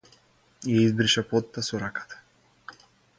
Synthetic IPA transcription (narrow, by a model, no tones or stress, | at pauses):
ijaizbɾiʃapɔt̪ːasɔɾakḁt̪ʰḁ